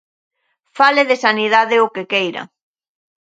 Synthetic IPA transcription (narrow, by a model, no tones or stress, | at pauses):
faleðɪsaniðaðɪʊkekejɾɐ̰